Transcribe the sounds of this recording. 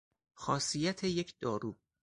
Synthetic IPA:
xɒːsijæt̪ʰejecʰd̪̥ɒːɾuː

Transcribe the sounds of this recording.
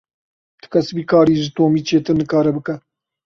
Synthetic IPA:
t̪ɨ̥kʰɐsbiːkʰɑːɾiːʒɪt̪oːmiːt͡ʃeːt̪ɨnɨkɑːɾɛbɨkɛ

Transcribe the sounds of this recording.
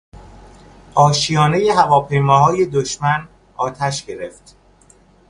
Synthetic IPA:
ʔɒːʃijɒːne̞je̞ɦævɒːpʰe̞jmɒːɦɒːje̞d̪oʃmæn | ɒːt̪ʰæʃɟe̞ɾe̞ft̪

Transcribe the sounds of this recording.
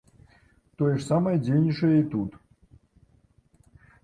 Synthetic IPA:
t̪ojɛʂsamɐjd͡zʲejnʲiʂɐjəit̪ut̪

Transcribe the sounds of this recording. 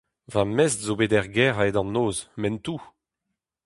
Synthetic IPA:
vamɛstzobedɛʁɡɛʁaedɑ̃nːoːzmɛntuː

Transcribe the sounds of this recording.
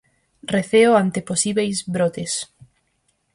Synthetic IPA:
reθeoant̪eposiβejzβɾot̪es

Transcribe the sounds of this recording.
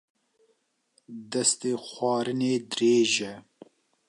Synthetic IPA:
d̪ɛst̪eːxʷɑːɾɨneːd̪ɨɾeːʒɛ

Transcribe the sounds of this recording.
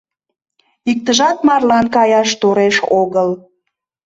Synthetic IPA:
ik̚t̪əʒɑt̪mɑrlɑnkɑjɑʃt̪oɾeʃoɣəl

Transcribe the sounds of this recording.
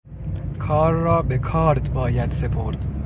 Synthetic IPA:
kʰɒːɾːɒːbekʰɒːɾd̪bɒːjæd̪se̞pʰoɾd̪̥

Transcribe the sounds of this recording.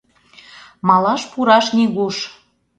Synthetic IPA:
mɑlɑʃpuɾɑʃnʲiɣuʃ

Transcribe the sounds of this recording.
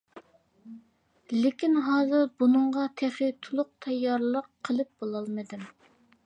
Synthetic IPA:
lɪkʲinɦɑːzɨɾbunɨɴʁɑt̪ʰɛχɪt̪ʰulˠʊq̚t̪ʰɛjːɑɾlˠəqʰːəlˠɨp̚b̥olˠɑlˠmɨd̪ɨm

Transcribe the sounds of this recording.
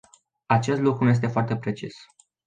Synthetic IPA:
at͡ʃe̞st̪lukɾunuje̞s̬t̪e̞foart̪e̞pɾe̞t͡ʃis

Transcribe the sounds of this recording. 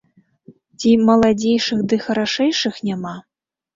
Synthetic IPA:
t͡sʲimɐlˠad͡zʲejʂɨxd̪ɨxɐɾaʂɛjʂɨxnʲama

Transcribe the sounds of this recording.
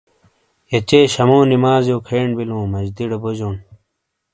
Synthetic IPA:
jɐt͡ɕeːɕɐmõːnimaːzjoːkʰeːɳbilõːmɐd͡ʑd̪iɽɐbod͡ʑoːn

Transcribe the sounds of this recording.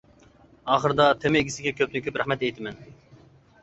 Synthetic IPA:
ɑːχəɾd̪ɑt̪ʰemɪeɡʲisɪɡʲɛkʲʰøp̚t̪yŋkʲypɾæχmɛt̪ɛjt̪ʰɪmɛn

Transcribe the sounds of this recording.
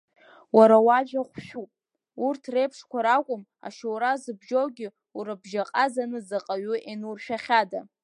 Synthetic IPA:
waɾawaʒaχʷʃᶣupʼ | urtʰre̞jpʰʂkʷaɾakʷʼʊm | a̰ʃowɾazɨbʒowɡʲɪ | uɾabʒaqʼazanɨzaqʼaɥʊʔenurʃᶣaχʲada

